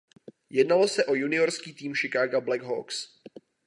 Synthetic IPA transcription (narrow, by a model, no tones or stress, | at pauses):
jɛdnalo̞sɛʔo̞junɪo̞ɾskiːt̪iːmʃɪkaːɡablɛɡɦo̰ks